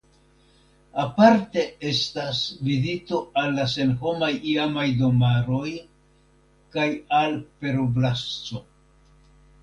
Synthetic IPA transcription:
apaɾte̞e̞stasvizito̞alːase̞nɦo̞majiamajdo̞maɾo̞j | kajalpe̞ɾoblast͡so̞

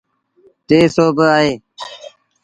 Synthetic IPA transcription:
t̪eːsoːbəaːɦeː

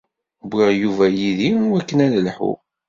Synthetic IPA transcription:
bʷiʁjuvæjiðiwækːənæləlħṵ

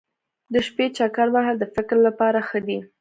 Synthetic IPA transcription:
d̪əʃpet͡ʃɑkɑɾbaɦad̪əfɪkɾlapɑɾaxəd̪i

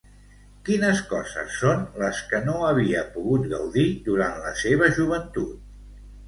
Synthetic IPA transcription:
kinəskɔzə̰sːonləskənoəβiəpuɣut̪ɡəwðid̪uɾanləseβəʒuβ̞ənt̪ut̪̚

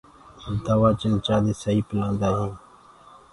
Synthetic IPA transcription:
d̪aːʋaːt͡ʃənt͡ʃaːd̪eːsaiːpɪlãːnd̪aːɦẽː

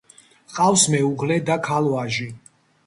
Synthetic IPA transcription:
qʼafsmɛuʁlɛd̪akʰalɔaʒi

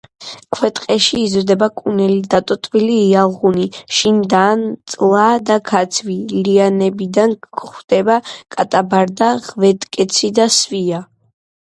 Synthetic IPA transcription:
kʰwɛt̪ʼqʼɛʃiːzɾd̪ɛbakʼunɛlid̪at̪ʼɔt̪ʼviliːalˠʁuniʃind̪aːnt̪sʼlˠad̪akʰat̪sʰvilianɛbid̪anʰχd̪̥ɛbakʼat̪ʼabaɾd̪aʁvɛt̪ʼkʼɛt̪sʰid̪asvia

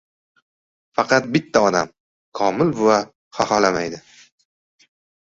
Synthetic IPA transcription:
fɑqʰɑt̪̚bɪt̪ʰːaɒd̪a̰m | kʰɒmɪla | χɒhalama̰jd̪ɪ

